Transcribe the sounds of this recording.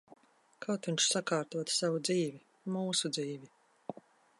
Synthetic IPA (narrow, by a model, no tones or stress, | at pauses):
kawt̪vʲiɲt͡ʃʃsakaːɾt̪uɔt̪savud̪ziːvʲi | muːsud̪ziːvʲi